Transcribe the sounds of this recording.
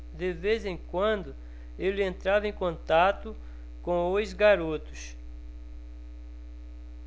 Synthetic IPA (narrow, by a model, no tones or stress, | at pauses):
d̪ɪvezẽkwɐ̃nd̪ʊ | elɪẽnt̪ɾavɐẽj̃kõnt̪at̪ʊ | kõojzɡaɾot̪ʊ̥s